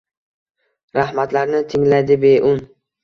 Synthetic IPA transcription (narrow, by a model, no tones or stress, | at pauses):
ɾahmat̪laɾnɪt̪ʰɪŋlajd̪ɪbe̞ʔʊn